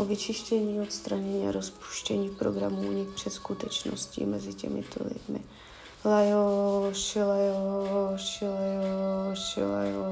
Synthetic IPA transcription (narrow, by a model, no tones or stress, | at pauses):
ʔovɪt͡ʃɪʃcɛɲiːot̪st̪ɾaɲɛɲiːaɾospu̥ʃcɛɲiːpɾoɡɾamuɲɪkpr̥ɛt̪skut̪ɛt͡ʃno̰scɪ̰mɛzɪcɛ̰mɪ̰t̪ʰo̰lɪ̰dmɪ̰ | lajoʂɪlajoʃɪlajoʃɪ̰lajo